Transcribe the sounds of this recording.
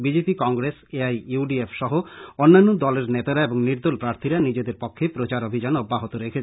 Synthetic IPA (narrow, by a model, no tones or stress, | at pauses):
bid͡ʑepikɔŋɡɾeseajuɖiefʃɔɦoonːanːod̪ɔleɾnet̪aɾaeboŋniɾd̪olpɾaɾt̪ʰiɾanid͡ʑed̪eɾpokʰːepɾot͡ɕaɾobʱid͡ʑanobːaɦot̪oɾekʰet͡ɕʰ